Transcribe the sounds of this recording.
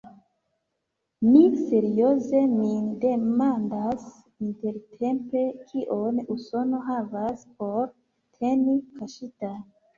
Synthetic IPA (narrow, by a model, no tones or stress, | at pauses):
mise̞ɾio̞ze̞minde̞mandas | inte̞ɾtʰe̞mpe̞kʰiʔo̞nuso̞no̞ɦavasp̚o̞ɾ | tʰenikaʃita